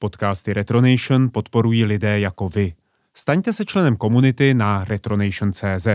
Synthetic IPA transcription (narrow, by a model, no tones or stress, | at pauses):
po̞t̪kaːst̪ɪɾɛt̪ɾo̞nɛjʃnpo̞t̪po̞ɾujiːlɪdɛːjako̞vɪ | st̪aɲt̪ɛsɛt͡ʃlɛnɛmko̞munɪt̪ɪnaɾɛt̪ɾo̞nɛjʃnt͡sɛːzɛ